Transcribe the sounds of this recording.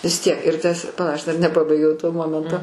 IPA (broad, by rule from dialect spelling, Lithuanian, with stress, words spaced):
ʋʲɪs ˈtʲiɛk ɪr ˈtɐs pɐˈlˠɐ ˈɐʃ dɐr nʲɛˈpɑːbɐɪɡʲɛʊ toː ˈmoːmʲɛntoː